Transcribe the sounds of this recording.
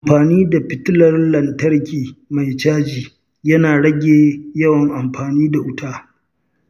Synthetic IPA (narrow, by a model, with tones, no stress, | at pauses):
ʔa˨mɸaː˨niː˦da˨ɸɪ˨tɪ˦lɐ˦rlɐ˨ntɐ˦rkʲiː˨ma˨jt͡ʃaː˦d͡ʒiː˨ | jɐ˦naː˨ɽɐ˦ɡʲeː˨jɐ˦wɐ˨ŋʔa˨mɸaː˨niː˦da˨ʔʊ˦taː˦